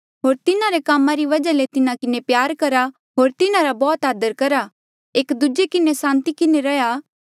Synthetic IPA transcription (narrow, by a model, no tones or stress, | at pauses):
ɦoːɾt̪ɪnãɾekaːmãɾiʋɐd͡ʒalet̪ɪnãkɪnepjaːɾkɐɾa | ɦoːɾt̪ɪnãɾabɔːt̪aːd̪əɾkɐɾa | eːkd̪ʊd͡ʒekɪnesãːnt̪ikɪneɾɐja